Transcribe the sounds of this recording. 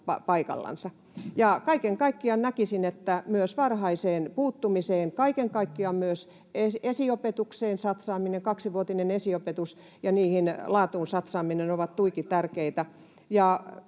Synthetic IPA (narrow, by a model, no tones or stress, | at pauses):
pɑpɑikɑ̰lːɑ̰nsɑ | jɑkɑikeŋkɑikːiɑnnækisinet̪ːæmyøsʋɑrhɑiseːnpuːt̪ːumiseːŋkɑikeŋkɑikːiɑmmyøs | esesiopet̪ukseːnsɑt̪sɑːmineŋkɑksiʋuot̪inenesiopet̪us | jɑniːhinlɑːt̪uːnsɑt̪sɑːminenoʋɑt̪t̪uikit̪ærkeit̪æ | jɑ